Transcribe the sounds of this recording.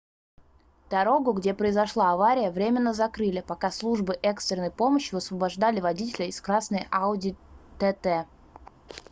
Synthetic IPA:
d̪̥ɐɾo̞ɡʊɡdʲe̞pɾəɪzɐʂlˠaɐvaɾʲɪjəvɾʲemʲɪnːəzɐkɾɨlʲɪpɐkaslˠuʐbɨʔɛkst̪ɾʲɪnːəjpo̞məɕːjɪɐsvəbɐʐd̪alʲɪvɐdʲitʲɪlʲɪɪskɾasnəjʔaʊdʲɪt̪ɛt̪ɛ

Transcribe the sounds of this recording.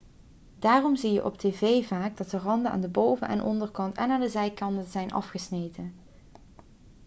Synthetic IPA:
daːrɔmzijə̰ʔɔpteːvejvaːɡ̚dɑtdərɑndənʔa̰ːndəbowvənʔɛ̰nʔɔ̰ndərkɑntɛ̰naːndəzɛjkɑndənzɛjnʔɑ̰fχəsnejtən

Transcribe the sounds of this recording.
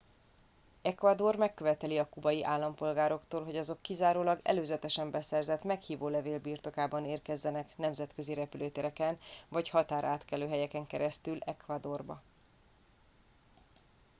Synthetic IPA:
ɛkvad̪o̞rmɛkːø̞vɛt̪ɛliɒkubɒjiʔaːlːɒmpo̞lɡaːɾo̞kt̪oːlɦo̞ɟɒzo̞kːizaːɾoːlɒɡɛ̰løːzɛt̪ɛʃɛmbɛsɛrzɛt̪mɛkhiːvoːlɛveːlbiːrt̪o̞kaːbɒneːrkɛzːɛnɛknɛmzɛt̪kø̞ziɾɛpyløːt̪eɾɛkɛnvɒchɒt̪aːɾaːt̪kɛløːɦɛjɛkɛŋkɛɾɛst̪ylɛkvad̪o̞rbɒ̰

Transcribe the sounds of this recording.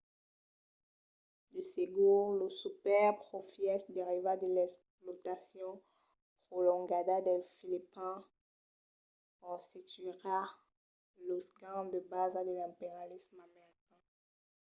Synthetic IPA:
d̪əseɡulosupɛʁpχofjɛsd̪eʁivad̪əlɛksplɔt̪asjɔ̃ | pχolɔ̃ɡad̪ad̪ɛlfilipɛ̃ | ɔ̃sit̪iʁa | losɡɑ̃d̪əbazad̪əlɛ̃peʁjalismameʁikɛ̃

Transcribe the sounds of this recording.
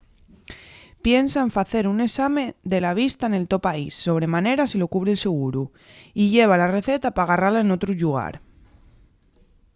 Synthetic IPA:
pjensaeɱfaθe̞ɾune̞samẽ̞ðe̞laβ̞ist̪aene̞lt̪o̞paisːo̞β̞ɾe̞mane̞ɾasilo̞kuβɾelse̞ɣ̞uɾu | iʝe̞β̞alare̞θe̞t̪apaɣ̞aralaeno̞t̪ɾuʎuɣ̞a̰ɾ

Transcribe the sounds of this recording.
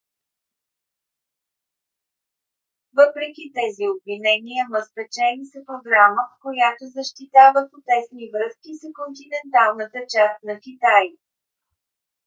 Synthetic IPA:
vɤpɾɛkit̪ɛziobvinɛniəməspɛt͡ʃɛnisəpɾoɡɾaməfkojat̪ozəʃt̪it̪avəxot̪ɛsnivɾɤskisəkont̪inɛnt̪alˠnət̪ət͡ʃast̪nɐxit̪aj

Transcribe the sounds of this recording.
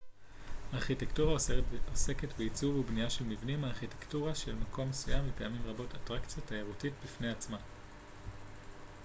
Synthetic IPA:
haːʁχitektuʁaose̞ketbeit͡suvubnijaʃe̞lmivnimaːʁχitektuʁaʃe̞lmako̞mːesujamlepeamimʁabo̞tatʁakt͡sjotaeʁutitbifne̞jat͡sma

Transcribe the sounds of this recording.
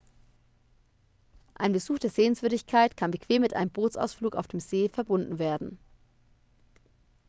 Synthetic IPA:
ʔaɪnbəzuːxd̥eːɐzeːənsv̥ʏɐɾɪçkʰaɪtkʰanbəkv̥eːmːɪtʔa̰ɪnəmboːt͡sa̰ʊsfluːka̰ʊfd̥eːmzeːfɛɐbʊndn̩veːɐdn̩

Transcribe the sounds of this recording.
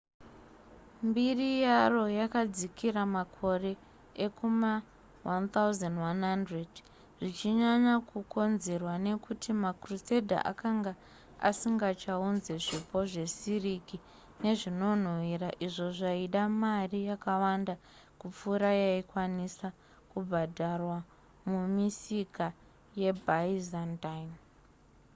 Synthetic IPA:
mbirijaro̞jakad͡zikʰiɾamakʰo̞re̞ | ekʰuma | want̪auzandwanɦandred | ʐit͡ʃiɲaɲakukʰo̞nze̞rwane̞kutʰimakruse̞dʱa̰ʔa̰kaŋɡa | a̰siŋɡat͡ʃaunze̞ʐipʰo̞ʐe̞siriki | ne̞ʐino̞n̤wiɾaʔiʐoʐaiɗamarijakawanda | kup͡fuɾajaikwanisa | kubʱadʱarwa | mumisika | je̞bʱaizantajm

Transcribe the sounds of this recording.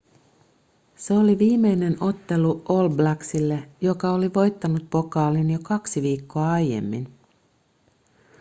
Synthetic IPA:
se̞o̞liʋiːmːe̞jne̞no̞t̪ːe̞luolblæksilːejo̞kɑoliʋo̞jt̪ːɑnut̪̚po̞kɑːlinjo̞kɑksiʋiːkːo̞ɑɑjje̞̰mːin

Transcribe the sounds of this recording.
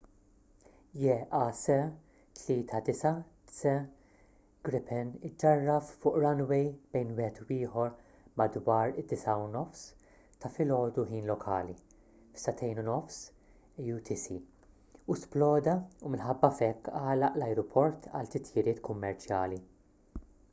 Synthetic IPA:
jɛɐsɛ | t̪liːt̪ʰɐd̪ɪsɐ | sɛ | ɡ̥ɾɪpɛnɪd͡ʒɐrːɐffʊːʔɾɐnwɛjb̥ɛjnwɪhɛt̪wɪːħɔɾ | mɐd̪wɐːɾɪd̪̥ːɪsɐunɔfs | t̪ɐfɪlɔːd̪uɦiːnlɔkʰɐːli | fsɐt̪ʰɛjnunɔfs | jut̪ʰisi | usplɔːd̪ɐumɪnħɐbːɐfɛkːɐːlɐʔlɐjɾɔpʰɔɾt̪ʰɐ̰lt̪ɪt̪jɪɾɪːt̪kʊmːɛɾt͡ʃjɐːli

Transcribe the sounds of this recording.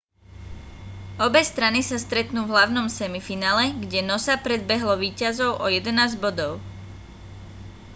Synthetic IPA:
ɔbɛst̪ɾanisast̪ɾɛt̪nuːvɦlaʊnɔmsɛmifinaːlɛɡɟɛnɔsapɾɛd̪̚bɛɦlɔʋiːcazɔʊʔɔjɛd̪ɛnaːzɟbɔd̪ɔʊ

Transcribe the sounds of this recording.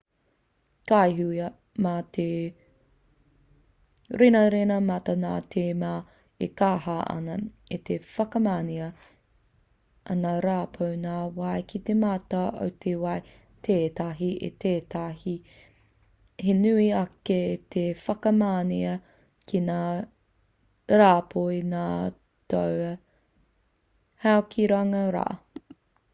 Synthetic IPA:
kajɦuɐ | maːtʰe | ɾenɐɾenɐmɐtɐnaːtʰeːmaː | ekaːhɐʔɐ̰nɐet̪efɐkɐmaːniɐ | ɐ̰naɾaːpʰownaːwɐjkʰit̪ematɐo̰wt̪ʰewɐj | t̪ʰeːtɐɦiḛt̪eːtahi | henʉiɐket̪ʰefɐkɐmaːniɐ | kʰinaː | ɾaːpʰoinaː | towɐ | haokʰiɾaŋɐɾa̰ː

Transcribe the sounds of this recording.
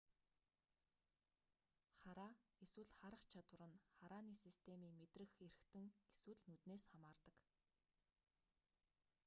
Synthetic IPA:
χaɾaːeswɘ̆ɮχaɾə̆χt͡ɕʰat̪wə̆ɾə̆nχaɾaːniːsist̪ʰemiːmet̪rɘ̆xer̆xt̪ɘ̆ŋeswɘ̆ɮnut̪neːsχamaːrt̪ə̆k

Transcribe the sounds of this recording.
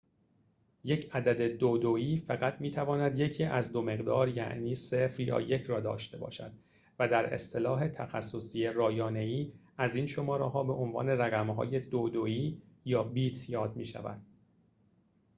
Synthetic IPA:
je̞cʰæd̪æd̪e̞d̪od̪oiːfæɣæt̪ʰmiːt̪ʰævɒːnæd̪je̞cʰiːʔæzd̪o̞me̞ɣd̪ɒːɾjæ̰ʔniːsefɾjɒ̰ːje̞cʰɾɒːd̪ɒ̰ːʃt̪e̞bɒ̰ːʃæ̰d̪̥ | væd̪æɾḛst̪ʰe̞lɒːɦe̞t̪ʰæxæsːosiːerɒːjɒːne̞iː | æziːnʃo̞mɒːɾeɦɒːbe̞ʔonvɒ̰ːne̞ræɣæmɦɒ̰ːje̞d̪od̪oiːjɒːbiːt̪ʰjɒːd̪miːʃæ̰væ̰d̪̥

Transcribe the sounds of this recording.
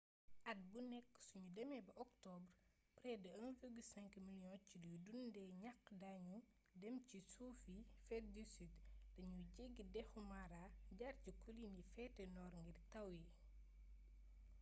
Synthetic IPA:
ʔɐt̚bunɛkːsuɲudɛmɛbɐʔɔktɔbr | pɾɛdɐɐnvəɡusɛŋkmiljɔ̃ciddundɛɲakːdaɲu | dɛmcisufifɛt̚disitdɐɲuɟeɡːidɛxumaɾaɟarcikulinifɛtɛnɔːɾŋɡirtɐwi

